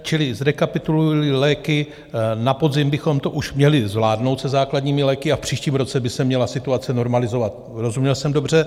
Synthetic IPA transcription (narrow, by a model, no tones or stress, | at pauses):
t͡ʃɪlɪzɾɛkapɪt̪ululɪlɛːkɪ | napo̞d̪zɪmbɪxo̞mt̪o̞ʔuʃmɲɛlɪzvlaːdnowt̪sɛzaːkladɲiːmɪlɛːkɪafpr̝̥iːʃciːmɾo̞t͡sɛbɪsɛmɲɛlasɪt̪uat͡sɛno̞ɾmalɪzo̞vat̪ | ɾo̞zumɲɛlsɛmdo̞br̝ɛ